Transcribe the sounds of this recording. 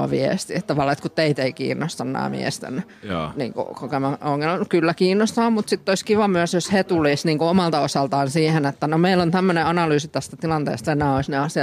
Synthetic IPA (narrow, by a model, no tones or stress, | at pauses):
ɑ̰ʋḭḛst̪it̪t̪ɑʋɑlːˑɑːet̪kut̪teit̪eikḭːnːost̪ɑnːɑ̰ːmḭḛst̪ḛnː | nḭːŋkṵkokemæoŋːelnukylːækiːnːost̪ɑːmmut̪sit̪ːoiskiʋɑmyæsjoshet̪ulisniːŋkuomɑlt̪ɑosɑlt̪ɑːnsiːhenet̪ːænomeilont̪æmːøneɑnɑlyːsit̪æst̪æt̪ilɑnt̪ḛːst̪ɑenæːoisneɑsiɑ